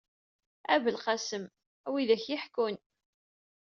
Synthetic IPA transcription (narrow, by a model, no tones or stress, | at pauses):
ævəlqasəm | æwiðæçjɪħkʊn